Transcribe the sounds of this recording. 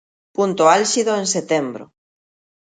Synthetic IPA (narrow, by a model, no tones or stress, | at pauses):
punt̪oalʃiðoenset̪embɾo̰